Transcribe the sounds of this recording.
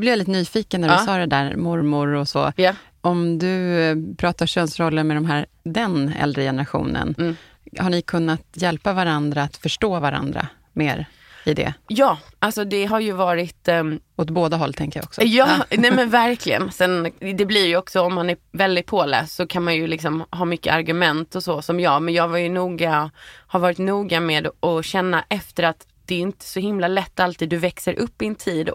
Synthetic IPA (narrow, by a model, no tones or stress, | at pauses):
blɪvɛlɪt̪nyːfiːkənːæɾsɑːd̪ɛd̪æːɾmɔɾmʊɾɔsɔ̰j | ɔmd̪ɵpʰɾɑːt̪aɕœːnsɾɔlːənmɛd̪ɔmɦæːɾ | d̪ɛnɛ̰ld̪ɾəjɛnəɾaɧṵːnə̰n | haɳɪkʰɵnːat̪jɛlpavaɾand̪ɾaːt̪fœʂʈoːvaɾa̰nd̪ɾa̰ | meːɾ | ɪd̪ɛ̰jɑːʔalsɔd̪ɛɦaɾjɵvɑːɾɪt̪ | ɔt̪boːd̪aɦɔlːt̪ʰɛŋkəja̰ɔ̰ksɔjɑːnɛmɛnvæɾkʰlɪɡə̰nsɛnd̪ɛblɪɾjɔksɔɔmːanæɾvɛld̪ɪt̪̚pʰoːlɛ̰ːssɔkʰanmanjɵlɪksɔmɦɑːmʏkːə̰aɾɡɵmɛnt̪ɔsɔsɔmjɑːɡmɛnjɑːɡvaɾjɵnuːɡahaɾvɑːɾɪt̪nuːɡameːd̪ʔɔɕɛnːaʔɛft̪əɾat̪ | d̪̥ɛːɵɪnt̪ə̥sɔɦɪmlalɛt̪ːalt̪ʰiːd̪ːɵvɛksəɾʔɵpːɪɛnt̪ʰiːd̪